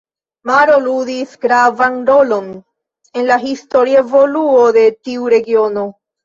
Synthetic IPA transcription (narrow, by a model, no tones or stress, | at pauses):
maɾolud̪isɡɾavanɾo̞lo̞n | e̞nlaɦisto̞ɾievoluod̪e̞t̪iuɾe̞ɡio̞no